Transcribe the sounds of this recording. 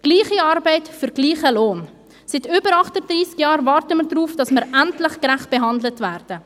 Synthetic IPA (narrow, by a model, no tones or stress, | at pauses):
ɡ̥liːχiɑɾbɛɪtfyɾɡliːχəloːn | sɪtʏːbəɾɑχtəd̥ɾiːskjɑːɾvɑɾtəməɾdɾuːfd̥ɑsmɪɾʔæntlɪχkɾæχt̚b̥eɦɑndlətvæːɾd̥ə